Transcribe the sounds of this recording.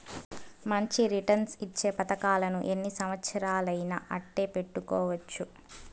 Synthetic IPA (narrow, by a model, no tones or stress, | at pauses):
mɐɲt͡ʃiɾiʈɐnsit͡ʃːe̞ːpɐt̪ɐkaːlɐnuʔe̞nːisɐmʋɐt̪sɐɾaːlɐjnɐ̰ʔɐʈːe̞ːpe̞ʈːukɔːʋɐt͡ʃːu